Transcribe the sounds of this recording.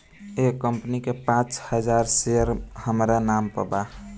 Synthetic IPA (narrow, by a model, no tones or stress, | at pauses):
ekəmpnikepãt͡ʃhəd͡ʒaɾseəɾhəmɾanampə̰ba